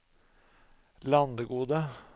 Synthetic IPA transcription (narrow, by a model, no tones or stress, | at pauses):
lɑnd̪əɡuːd̪ə